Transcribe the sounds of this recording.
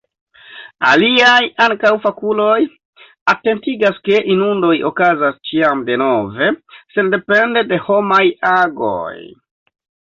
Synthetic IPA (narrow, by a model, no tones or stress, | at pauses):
a̰liajaŋkawfakulo̞j | ate̞ntiɡaske̞ʔinundo̞jokazast͡ʃiamde̞no̞ve̞se̞nde̞pe̞nde̞de̞ho̞majaɡo̰j